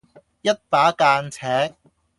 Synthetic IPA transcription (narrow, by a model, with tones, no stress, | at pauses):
jɐ˥t̚paː˨˥kaː˧nt͡sʰɛː˨˥k̚